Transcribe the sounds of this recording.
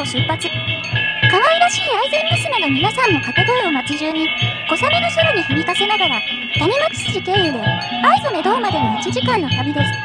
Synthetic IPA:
oɕɨpːat͡sɨ | kaŋaiɾaɕiːaizẽ̞mːɯsɨmenamʲinasãnːo̞kat̪e̞d̪oːomat͡sɨʑɨːɲ̟ːiɡ̥o̞samenoɕoɾoɲ̟içɯ̟mʲikase̞naɡaɾa | t̪aɲ̟imakɯ̥sɨʑik̪eːɯɾɯ̟ | aizome̞d̪o̞ːmad̪e̞nomit͡sɨʑikãnːo̞t̪abʲid̪e̞sɨ̥

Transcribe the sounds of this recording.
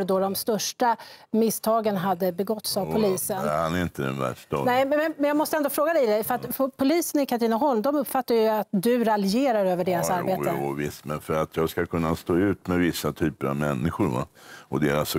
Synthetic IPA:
d̪ɔd̪ɔmst̪œʂʈamɪst̪ʰɑːɡənɦad̪ːəbɛɡɔt̪savpʰʊliːsənhanæɾɪnt̪əd̪ɛ̰nvæ̰ʂɔnɛɪɛmɛnjɑːɡmɔst̪əɛnd̪oːfɾoːɡad̪ɛjd̪ɛjfœɾat̪fɔpʰʊliːsənɪkʰaʈiːnaɦɔlmd̪ɔmɵpːfat̪ːajɵat̪̚d̪ɵɾalɪeːɾaɾøːvəɖeːɾasaɾbeːt̪əvɪst̪mɛnfœɾat̪ʰjɑːɡskakʰɵnːast̪oːʉ̟ːt̪mɛvɪsːat̪ʰyːpəɾa̰vmɛnːɪɧʊɾva̰ɔd̪eːɾas

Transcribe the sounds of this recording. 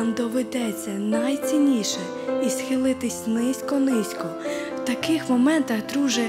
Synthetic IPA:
nd̪ɔʋed̪ɛt͡sʲːɐnɐjt͡sʲinʲiʃɛ | isxɪlˠɪt̪ɪsʲnɪsʲkɔnɪsʲkɔwt̪ɐkɪxmɔmɛnt̪ɐɣd̪ɾuʒɛ

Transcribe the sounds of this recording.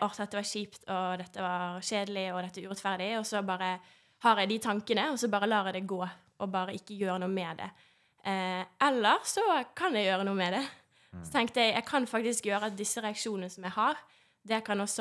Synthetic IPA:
ʔɔɾt̪ʰɑt̪d̪əʋɑʂiːpt̪ʰɔd̪ɛt̪ːəʋɑɾʃeːd̪əlɪɔd̪ɛt̪ːʋɑɾʉɾɛt̪fæʁd̪ɪɔsɔbɑːɾə | hɑːɾjæɪd̪ɪt̪ʰɑŋkənəɔsɔbɑːɾəlɑːɛd̪ɛɡoː | ʔɔbɑːɾəɪkːəjøːɾənuːəmɛd̪ɛ̰ | ɛlːəɾsɔkʰɑnjæɪjøːɾənuːəmɛd̪ɛ | sɔt̪ʰɛŋkt̪əjæɪæɪkʰɑnfɑk̚t̪ɪskjøːɾəɑt̪̚d̪ɪsːəʁɛɑkʂuːnənəsɔmjæɪhɑɾ | d̪ɛkʰɑnɔsːɔ

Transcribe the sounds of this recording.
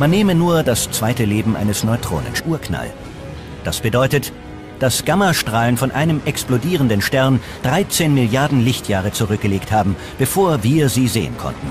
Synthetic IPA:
manːeːmənuːɐdast͡sv̥aɪtəleːbm̩ʔa̰ɪnəsnɔʏtʁ̥o̰ːnə̰nsʔuːɐkna̰l | d̥asb̥ədɔʏtət | d̥asɡ̥amɐʃtʁ̥aːlənfɔnʔaɪnəmʔɛksplodiːʁəndənʃtɛɐn | d̥ʁaɪt͡seːnmɪljaɐdn̩lɪçtʰjaːʁ̞ət͡suʁʏk̚ɡ̥əleːkthaːbm̩ | b̥əfoːɐviːɐziːzḛːə̰nkʰɔ̰ntn̩

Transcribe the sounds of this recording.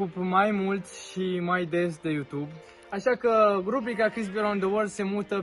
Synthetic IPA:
upmajmult̪ʃimajd̪e̞sd̪e̞jut̪ub | aʃakəɾubɾikakɾisbiɾand̪əwəlse̞mut̪ə

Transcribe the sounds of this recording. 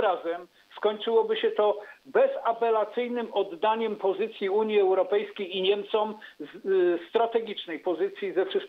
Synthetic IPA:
ɾazɛm | skɔɲt͡ʂɘwɔbɘɕɛt̪ɔbɛzapɛlat̪sɘjnɘmɔd̪ːaɲɛmpɔzɘt̪sʲjiuɲjiɛwɾɔpɛjskʲejiɲɛmt̪sɔmzst̪ɾat̪ɛɡʲit͡ʂnɛjpɔzɘt̪sʲjizɛfʂɘst̪kʲ

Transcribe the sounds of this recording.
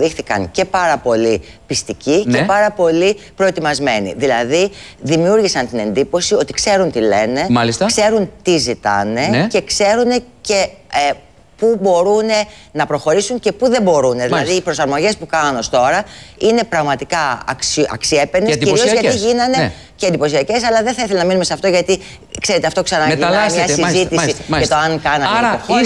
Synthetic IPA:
ðixθikɐ̰ŋce̞pɐɾɐpo̞lipist̪icice̞pɐɾɐpo̞lipɾo̞e̞t̪imɐzme̞nḭðilɐði | ðimiuɾʝisɐnt̪ine̞nd̪ipo̞sio̞t̪ikse̞ɾunt̪ile̞ne̞ɐlist̪ɐkse̞ɾunt̪izit̪ɐ̰ne̞ce̞kse̞ɾune̞ce̞e | pubo̞ɾune̞ | nɐpɾo̞xo̞ɾisuɲce̞puðe̞mbo̞ɾuneðilɐðiːpɾo̞sɐɾmo̞ʝe̞spukɐno̞st̪o̞ɾɐine̞pɾɐɣmɐt̪ikɐɐ̰ksʔɐ̰ksie̞pend̪d̪iciɾiozʝɐiʝinɐne | ceːnd̪ipo̞siɐce̞s̬ɐlɐðeθɐiθelenɐminumeseɐft̪o̞ʝɐt̪i | kse̞ɾe̞t̪e̞ɐft̪o̞ksɐnɐimɲɐsizit̪isiɐt̪oɐŋkɐnɐoi

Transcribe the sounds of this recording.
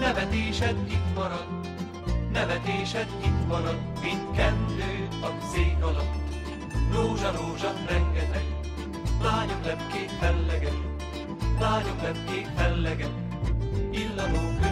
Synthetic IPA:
nɛvɛt̪eːʃɛd̪it̪mɒɾɒd̪ | nɛvɛt̪eːʃɛd̪it̪mɒɾɒd̪mint̪kɛnd̪øːɒkseːkɒlɒp | roːʒɒɾoːʒɒkɾɛŋɡɛt̪ɛk | laːɲoklɛpkeːt̪fɛlːɛɡɛt̪ | laːɲoklɛp̚keːt̪fɛlːɛɡɛt̪ | ilːɒnoːkø

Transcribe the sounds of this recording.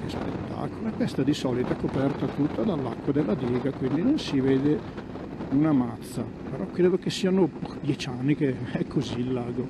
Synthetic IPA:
kespḛt̪ːa̰kolaɛkːɛst̪ad̪isɔːlit̪akopɛrt̪at̪ut̪ːad̪alːa̰kːwad̪elːad̪iːɡakwind̪inonsiveːd̪e | unamat̪sːa̰ | peɾʔɔkːɾeːd̪okesːiːanod̪jɛt͡ʃanːikeɛkʰːozilːaːɡo

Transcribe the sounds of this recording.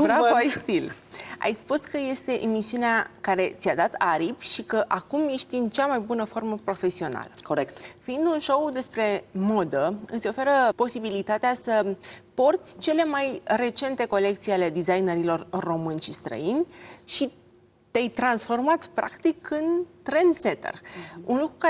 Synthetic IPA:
bɾavvajst̪ila̰jspuskəje̞st̪e̞ʔemisiuneakaɾe̞t̪siad̪at̪aɾipʃikəʔakumjeʃt̪iɨnt͡ʃamajbunəfo̞rməpɾo̞fe̞sio̞na̰ləkoɾektfiind̪unʃo̞wd̪e̞spɾe̞mo̞d̪əɨ̰t̪sʲo̞fe̞ɾəpo̞sibilit̪at̪easəpo̞rt̪sʲt͡ʃe̞le̞majre̞t͡ʃe̞nt̪e̞ko̞le̞k̚t̪siale̞d̪izajneɾilo̞rːo̞mɨnʲʃist̪ɾə̰inʲʃi | t̪ejt̪ɾansfo̞rmat̪pɾa̰kt̪ikɨnt̪ɾenset̪ḛrṵnlukɾuka

